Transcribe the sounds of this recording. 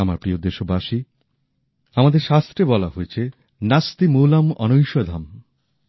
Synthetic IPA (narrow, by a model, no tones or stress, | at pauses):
amaɾpɾiod̪eʃobaʃi | amad̪eɾʃast̪ɾebɔlaɦoet͡ɕʰe | nast̪imowlamɔ̰nojʃod̪ʱam